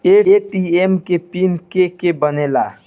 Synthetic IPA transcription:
eeʈiemkepinkekebənela̰

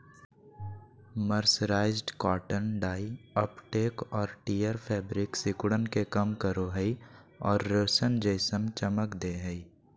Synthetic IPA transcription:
məɾsɾaːɪzɖkaːʈənɖaːiəpʈeːkɔːɾʈijəɾpʰɛːbɾɪksɪkʊɽənkekəmkəɾoɦəi | ɔːɾːəsənd͡ʒəɪsəmt͡ʃəməkd̪eːɦəi

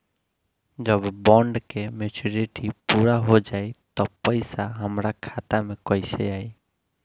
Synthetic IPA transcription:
d͡ʒəbbɔɳɖkemet͡ʃuɾiʈipuɾaɦod͡ʒajt̪ɔpəɪsaɦəmɾakʰat̪amekəjsḛai

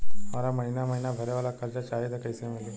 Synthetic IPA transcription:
maɾaməɦinaməɦinabʱəɾeʋalakalt͡ɕat͡ɕajet̪akəjsemele

